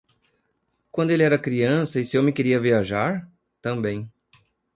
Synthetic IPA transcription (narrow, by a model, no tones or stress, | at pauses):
kwɐ̃nd̪ʊelɪɛɾɐkɾiɐ̃sɐɪsɪewmɪkeɾiɐviaʒaɾ | t̪ɐ̃mbẽj̃